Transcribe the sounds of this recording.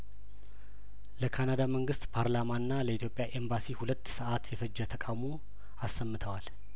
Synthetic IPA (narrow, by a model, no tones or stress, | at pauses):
ləkʰanad̪aməŋɡɨst̪pʰaɾlamanːaləit̪jo̞pʼjaʔe̞mbasihulət̪ːsəʔat̪jɛfəd͡ʒːət̪ʰəkʼawmo | asːəmːɨt̪ʰəwal